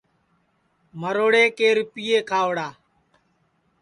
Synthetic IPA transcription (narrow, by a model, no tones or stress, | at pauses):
məɾoːɽeːkeːɾʊpɪːeːkʰaːʋɽaː